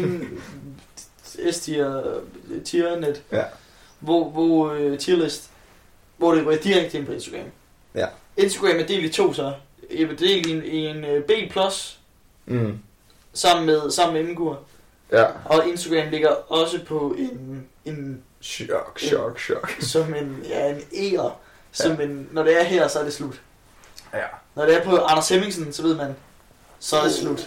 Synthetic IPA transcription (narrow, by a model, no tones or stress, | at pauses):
n | est͡sʰi | t͡sʰiɐned̥ | ʋɒʋɒt͡sʰiɐlesd̥ | ʋɒɾ̥eʁid̥iʁaɡ̥d̥əe̝npʰɒ̽e̝nsd̥ɐɡ̥ʁɛ̰m | e̝nsd̥ɐɡ̥ʁɛmæɐd̥e̝̰ːld̥it͡sʰo̝̰ːsɒ | eʋd̥e̝̰ːlenenb̥e̝̰ːpʰlus | sɑ̈m̰n̩meðˠsɑ̈m̰n̩meenn̩ɡ̥uɐ̰ | ɒ̽e̝nsd̥ɐɡ̥ʁɛ̰ːmle̝ɡ̥ɐɒ̽səpʰɒ̽e̝n | e̝n | sɒ̽menæɐe̝nḛːɐ | sɒ̽menːɒɾ̥e̝æɐɦæɐ̰sɒ̽æɐd̥e̝slud̥ | nɒd̥e̝æɐpʰɒ̽ʔɑ̈nɐseme̝ŋsn̩sɒ̽ʋe̝ð̞̰ˠmæn | sɒ̽ɐd̥e̝slud̥